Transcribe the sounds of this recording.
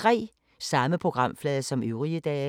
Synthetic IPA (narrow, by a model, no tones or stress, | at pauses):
ʁɛ̰ː | sɑ̈məpʰʁo̝ɡ̥ʁɑ̈m̰flɛːðˠɐsɒ̽møʊʁiəd̥ɛː